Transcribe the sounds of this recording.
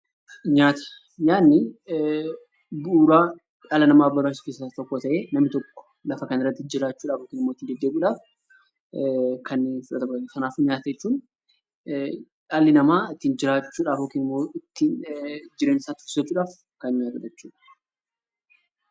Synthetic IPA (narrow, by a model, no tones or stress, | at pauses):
ɲaːt̪ɐ̥ | ɲaːnːɪ | buːɾaː | jaːlɐnɐmaːbɐɾbaːsɪfɪsat̪ɔkːoːt̪ɐʔe̞ːnɐmːɪt̪ɔkːɔ̥ | lɐfɐkɐnɪrːɐt̪ːɪd͡ʒɪɾaːt͡ʃːuːᶑaːfhoːkːeːnɪmːoɪt̪ːiːnd̪ɛd̪ːeːbuːᶑaːf | kɐnnfʊᶑɐ̰t̪ɐbsɐnaːfʊːnɲaːt̪ɐjɛt͡ʃːuːn | ᶑaːlːɪnɐmaːɪt̪ːiːnd͡ʒɪɾaːt͡ʃːuːᶑaːfhoːkːeːnɪmːoːɪt̪ːiːnd͡ʒɪɾeːnsaːt̪ʊ̥ɪsɐt͡ʃːuːᶑaːf | kɐnɲaːt̪ɐd͡ʒɛt͡ʃːuːᶑɐ̥